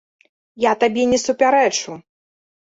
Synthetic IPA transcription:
jat̪abʲɛnʲɛsupʲaɾɛt͡ʂu

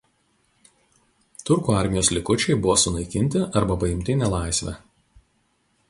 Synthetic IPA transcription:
t̪ʊɾkuːɐˑɾʲmʲɪjoːslʲɪkʊt͡ʃʲɛɪbʊʋoːsʊnɐɪkʲɪnʲt̪ʲɪʔɐɾbɐpɐjɪmʲt̪ʲɪnʲɛlˠɑˑɪsʲʋʲɛ̰

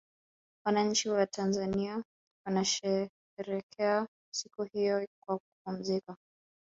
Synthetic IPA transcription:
wanaɲ̩t͡ʃiwatʰanzania | wanaʃɛ | ɛɾɛkʰɛa | sikuhijɔkwak̚up̚um̩zika

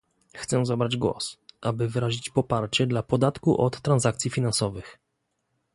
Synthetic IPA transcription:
xt̪sɛzabɾad͡ʑɡwɔ̰sʔabɘvɘɾaʑit͡ɕpɔpaɾt͡ɕɛd̪lapɔd̪at̪kuʔɔt̪ːɾanzakt̪sʲifʲinansɔvɘx

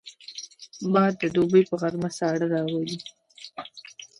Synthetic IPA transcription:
bɑjd̪ːəd̪obəjpəɣaɾmasɑɽaɾɑwali

